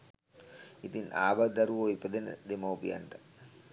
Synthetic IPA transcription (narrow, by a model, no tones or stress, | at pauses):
it̪inaːʋad̪ɐɾuʋoipəd̪enə̰d̪emowpija̰nʈə